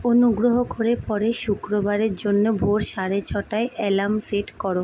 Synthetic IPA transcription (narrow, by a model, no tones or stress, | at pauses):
onuɡɾoɦokoɾepɔɾeʃukɾobaɾeɾd͡ʑonːobʱoɾʃaɾet͡ɕʰɔʈaeʔɛlamseʈkɔɾo